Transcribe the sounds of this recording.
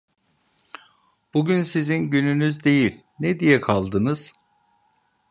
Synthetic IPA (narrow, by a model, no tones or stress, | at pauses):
b̥uɟynsizinɟynynyzd̪e̞jilʲ | nɛd̪ijɛkʰalˠd̪ɯnɯz̥